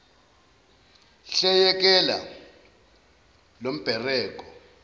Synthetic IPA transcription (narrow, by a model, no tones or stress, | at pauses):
ɬɛjɛk̬ʼɛla̰ | lom̩b̥ʱɛrɛːk̬ʼɔ